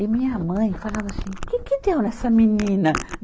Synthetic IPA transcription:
ɪmĩɲɐmɐ̃j̃falavɐsĩkɪkɪd̪ewnɛsɐminĩnɐ

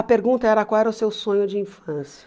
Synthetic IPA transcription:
ɐpeɾɡũnt̪ɐɛɾɐkwawɛɾɐʊsewsõɲʊd͡ʒɪĩfɐ̃sjɐ̥

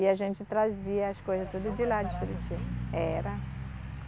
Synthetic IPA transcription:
ɪaʒẽnt͡ʃɪt̪ɾaziɐɐskojzɐst̪od̪ɐd͡ʒilad͡ʒifɾut͡ʃiɛɾɐ

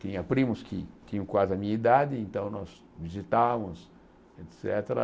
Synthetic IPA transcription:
t̪ĩɲɐpɾĩmʊskʰɪt̪ĩɲʊ̃kwazɪɐmĩɲɐid̪ad̪ɪẽnt̪ɐ̃w̃nɔz | vizit̪amʊs | et̪sɛt̪eɾɐ̰

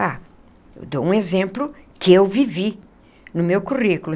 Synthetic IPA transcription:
a | ḛwd̪oũezẽmplʊkɪewvivi | nʊmewkuʁikulʊ̃

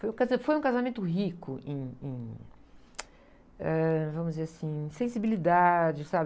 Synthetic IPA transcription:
fojũkazɐfojũkazamẽnt̪ʊɦikʊʔẽj̃ẽj̃ | ɛvɐ̃mʊzd͡ʒɪzeɾasĩsẽsibilid̪ad͡ʒɪsabɪ

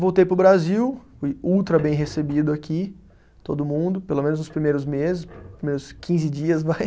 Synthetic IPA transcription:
vowt̪ejpɾʊbɾaziwfujuwt̪ɾɐbẽj̃ɦesebid̪ʊakʲi | t̪od̪ʊmũnd̪ʊpelomẽnʊznʊspɾimejɾʊzmezɪspɾimejɾʊskʰĩzɪd͡ʒiɐsvaj

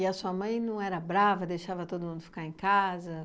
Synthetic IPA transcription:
ɪɐsuɐmɐ̃j̃nɐ̃w̃ɛɾɐbɾavɐd̪ejʃavɐt̪od̪ʊmũnd̪ʊfi̥kaɾẽj̃kazɐ

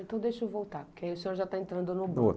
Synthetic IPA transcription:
ẽt̪ɐ̃w̃d̪ejʃovowt̪apʊkeaiʊsẽoɾʒat̪aẽnt̪ɾɐ̃nd̪ʊnʊbot

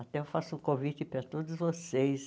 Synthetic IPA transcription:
at̪ɛewfasʊkõvit͡ʃ̪ɪpɾɐt̪od̪ʊzvosejs

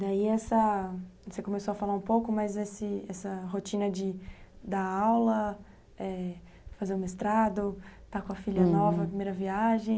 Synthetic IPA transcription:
d̪aiɛsɐ | sekõmesoɐfalaũpowkʊmɐzesɪɛsɐɦot͡ʃĩnɐd͡ʒɪd̪ɐawlɐ | ɛ | fazeɾʊ̃mest̪ɾad̪ʊt̪akõɐfiʎɐnɔvɐpɾimejɾɐviaʒẽj̃

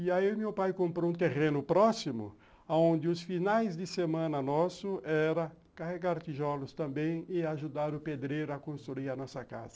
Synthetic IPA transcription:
ɪaimewpajkõmpɾoũt̪eʁẽnʊpɾɔsimʊ̰ | aõnd̪ɪʊsfinajzd̪ɪsemɐ̃nɐnɔsʊʔɛɾɐ | kaɦeɡaɾt̪iʒɔlʊst̪ɐ̃mbẽj̃ɪaʒud̪aɾʊped̪ɾejɾʊakõst̪ɾuiɾɐnɔsɐka̰zɐ

